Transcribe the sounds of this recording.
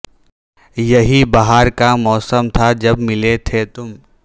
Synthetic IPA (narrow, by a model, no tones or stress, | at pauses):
jɐɦibaɦaɾkamɔːsəmt̪ʰad͡ʒɐbmɪlet̪ʰet̪ʊm